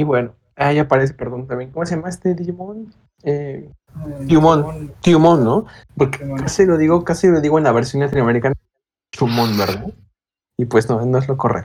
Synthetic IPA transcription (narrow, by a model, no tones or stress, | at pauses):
iβwe̞no | ajapaɾes̬epeɾɣunt̪amjeŋkomosejamaest̪ed̪imon | e | d̪jumõnt̪jumõnːo̞po̞ɾke̥kaselo̞ðiɣo̞kaselo̞ðiɣo̞enlaβe̞ɾsjo̞nlat̪inoame̞ɾikana | t͡ʃumõnbeɾða | ipwesnono̞e̞zlo̞ko̞rḛk